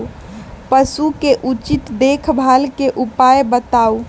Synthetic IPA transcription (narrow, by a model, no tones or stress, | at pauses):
pəsukeʔut͡ʃit̪d̪ekʰbʱalkeʔupajbət̪au